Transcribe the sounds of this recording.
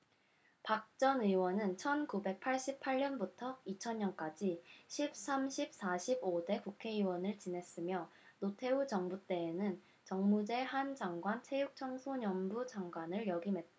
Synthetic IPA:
pak̚t͡ɕ͈ʌnɯwʌnɯnt͡ɕʰʌnkube̞k̚pʰaɭɕ͈ipʰaɭːʌnbutʰʌit͡ɕʰʌɲɲʌnk͈ad͡ʑiɕʰip̚s͈amɕʰip̚s͈aɕʰibode̞kukʰe̞iwʌnɯɭt͡ɕinɦe̞s͈ɯmjʌ | notʰe̞ut͡ɕʌŋbut͈e̞ːnɯn | t͡ɕʌŋmud͡ʑe̞hand͡ʑaŋɡwantʰe̞juk̚t͡ɕʰʌŋsʰoɲʌmbud͡ʑaŋɡwanɯɭjʌɡimɦe̞t̚t͈a

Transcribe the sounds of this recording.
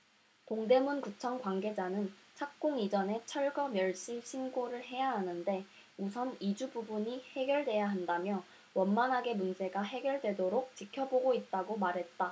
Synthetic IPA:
toŋde̞munkut͡ɕʰʌŋkwaŋɡe̞d͡ʑanɯnt͡ɕʰak̚k͈oŋid͡ʑʌne̞t͡ɕʰʌɭɡʌmjʌɭɕ͈iɕʰinɡoɾɯɭɦe̞jaɦanɯnde̞ | usʰʌnid͡ʑububuɲihe̞ɡjʌɭdwe̞jaɦandamjʌ | wʌnmanɦaɡe̞mund͡ʑe̞ɡaɦe̞ɡjʌɭdwe̞doɾok̚t͡ɕikʰjʌboɡoit̚t͈aɡomaɾɦe̞t̚t͈a

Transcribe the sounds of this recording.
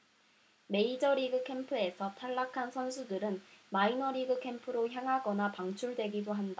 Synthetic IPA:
me̞id͡ʑʌɾiɡɯkʰe̞mpʰɯe̞sʰʌtʰaɭːakʰansʰʌnsʰudɯɾɯnmainʌɾiɡɯkʰe̞mpʰɯɾoçjaŋɦaɡʌnapaŋt͡ɕʰuɭdwe̞ɡidoɦanda

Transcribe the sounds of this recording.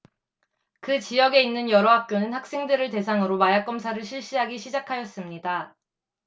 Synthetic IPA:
kɯt͡ɕijʌɡe̞inːɯnjʌɾʌɦak̚k͈jonɯnhak̚s͈e̞ŋdɯɾɯɭte̞sʰaŋɯɾomajak͈ʌmsʰaɾɯɭɕʰiɭɕ͈iɦaɡiɕʰid͡ʑakʰajʌs͈ɯmɲida

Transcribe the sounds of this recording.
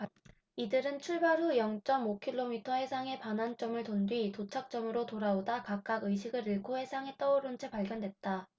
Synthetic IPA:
idɯɾɯnt͡ɕʰuɭbaɾujʌŋt͡ɕ͈ʌmokʰiɭːomitʰʌɦe̞sʰaŋe̞panɦant͡ɕ͈ʌmɯɭtondwɥitot͡ɕʰak̚t͡ɕ͈ʌmɯɾotoɾaodakak̚k͈aɡɯjɕ̬ʰiɡɯɾɯɭkʰohe̞sʰaŋe̞t͈ʌoɾɯnt͡ɕʰe̞paɭɡjʌndwe̞t̚t͈a

